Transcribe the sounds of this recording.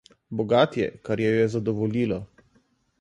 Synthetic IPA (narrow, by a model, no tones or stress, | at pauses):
bɔɡaːt̪jɛ̰kaɾjɛjɔjɛzad̪ɔʋɔliːlɔ